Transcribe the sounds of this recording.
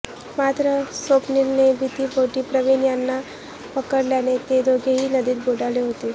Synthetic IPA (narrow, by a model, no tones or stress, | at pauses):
mat̪ɾəsopniɾnejbʱit̪iːbʱoʈiːpɾəʋinjanːa | pəkəɽljanet̪ed̪oɡʱeɦiːnəd̪iːt̪̚bʱoɽaleɦot̪e